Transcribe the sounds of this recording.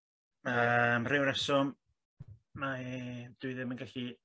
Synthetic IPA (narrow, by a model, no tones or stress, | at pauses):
əmrɪwɾɛsɔm | mad̪̥uðɪmənɡaɬi